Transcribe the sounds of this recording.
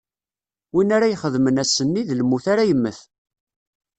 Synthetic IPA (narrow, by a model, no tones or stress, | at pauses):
winaɾajχəðmənæsənːiðlmːuθaɾajəmːəθ